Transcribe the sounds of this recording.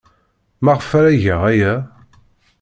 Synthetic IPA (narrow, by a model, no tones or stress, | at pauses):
mæʁəfæɾæʝæʁæjæ